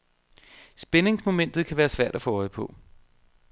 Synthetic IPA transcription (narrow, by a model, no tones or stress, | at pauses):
sb̥ene̝ŋsmo̝men̰d̥ð̩ˠkʰæʋæːɐsʋæɐ̰d̥æfɒɒɪ̰pʰɔ̽